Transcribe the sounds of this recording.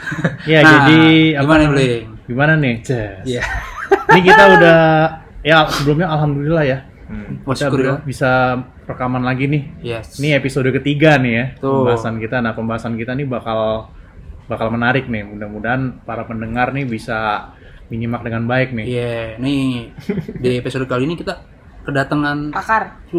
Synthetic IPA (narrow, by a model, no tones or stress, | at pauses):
jand͡ʒadiamanl | ɡimananɪhjɛnikit̪audahjasəbəlumɲaːlɦamdolilahja | it̪adbisa | rəkamanlaɡinɪjɛniepisodəkət̪iɡanɪhjat̪əəmbaɦasankit̪anahpəmbaɦasankit̪anɪbakal | bakalmənaɾɪk̚nɪhmudamudaɦanpaɾapəndəŋarnɪbisa | miɲimak̚dəŋanbaɪk̚nɪhjɛni | dipesodəkaluinikit̪a | kədat̪əŋanp̪akar